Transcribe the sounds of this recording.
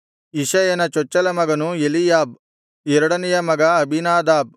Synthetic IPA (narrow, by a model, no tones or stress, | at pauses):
iʃɐjɐnɐt͡ʃɔt͡ʃːɐlɐmɐɡɐnuelijaːb̚ | ɛɾɐɽɐnɛjɐmɐɡɐɐbʱinaːd̪aːb̚